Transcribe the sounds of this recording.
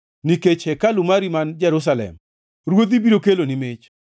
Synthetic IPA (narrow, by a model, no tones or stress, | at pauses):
niket͡ʃhɛkalʊmaɾimand͡ʒɛɾʊs̬alɛ̰m | ɾwod̪ibiɾokelonɪmet͡ʃ